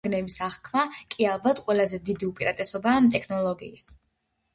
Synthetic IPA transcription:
ɡnɛbisaʁkʰmakʼialˠbat̪ʰqʼwɛlˠazɛd̪id̪iupʼiɾat̪ʼɛsɔbaːmt̪ʼɛkʰnɔlˠɔɡḭːs

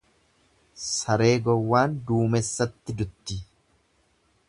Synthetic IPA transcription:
sɐɾe̞ːɡɔwːaːnd̪uːmɛsːɐt̪ːɪd̪ʊt̪ːɪ

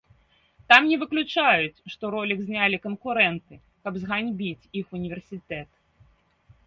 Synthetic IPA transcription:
t̪amnʲɛvɨklʲut͡ʂajut͡sʲʂt̪ɔɾɔlʲiɡzʲnʲalʲikɐnkuɾɛnt̪ɨ | kɐbzɣanʲbʲit͡sʲixunʲivʲɛrsʲit̪ɛt̪

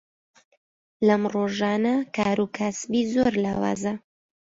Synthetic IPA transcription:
lɐmroːʒaːnɐkaːɾukʰasbiːzoɾlaːwa̰ːzɐ

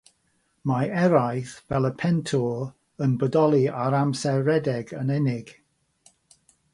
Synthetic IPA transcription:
maɛɾajθvɛlˠəpʰɛntʰɔ | ənbədɔlˠiaɾamsɛɹɛdɛɡənɛnɪɡ̥

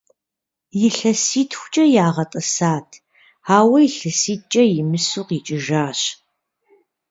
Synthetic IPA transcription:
jɪɬɐsiːtʰxʷʊ̥t͡ʃʼɐjaːʁɐtʼɐsaːtʰ | aːwɐjiɬɐsiːt͡ʃʼɐjɪmɨsʊqit͡ʃʼɪʒaːɕ

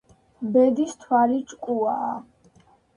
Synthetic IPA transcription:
bɛd̪ist̪ʰwalit͡ʃʼkʼuaː

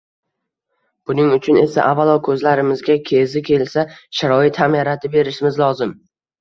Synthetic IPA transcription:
b̥ʊnɪŋʊt͡ʃʰʊne̞sa̰ʔavalˠɒkʰɵzlaɾɪmɪzɡʲakʲʰe̞zɪkʲʰe̞lsaʃaɾɒɪt̪hamjaɾat̪ʰɪbe̞ɾɪʃmɪzlɒzɪm

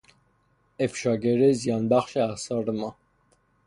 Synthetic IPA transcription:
ɛfʃaɡɛɾɛzjɑnbaχʃɛasaɾəma

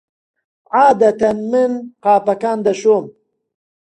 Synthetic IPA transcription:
ʕaːd̪ɐt̪anmɪnqaːfɐkaːnd̪ɐʃoːm

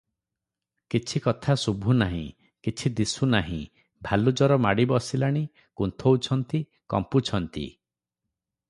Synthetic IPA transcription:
kit͡ʃʰikɔt̪ʰasubʱunaɦḭ̃ | kit͡ʃʰid̪isunaɦḭ̃ | bʱalud͡ʒɔɾɔmaɽibɔsilaɽ̃i | kunt̪ʰowut͡ʃʰɔnt̪i | kɔ̰mput͡ʃʰɔnt̪ḭ

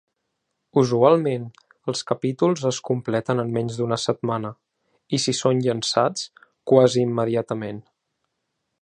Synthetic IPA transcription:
uzualˠmen | əlˠskəpit̪ulˠzəskumplɛt̪ənəmːɛɲzd̪unəsət̪̚manə | isisonʎənsat͡skwaziːmːəðiat̪əmen

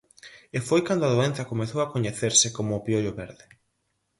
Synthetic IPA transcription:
efojkand̪ʊaðoenθɐkomeθowakoɲeθeɾsekomʊpjoʎoβeɾðe

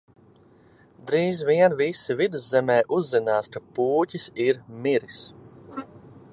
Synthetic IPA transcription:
d̪ɾiːzviɛnvisivid̪uzzɛmɛːʔuzːinaːskapuːcʲisiɾmiɾis

